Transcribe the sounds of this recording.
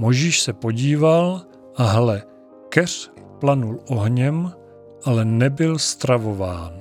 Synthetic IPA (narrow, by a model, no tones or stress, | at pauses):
mo̞jʒiːʃsɛpo̞ɟiːval | ʔaɦlɛ | kɛr̥ | planulʔo̞ɦɲɛm | ʔalɛnɛbɪlst̪ɾavo̞vaːn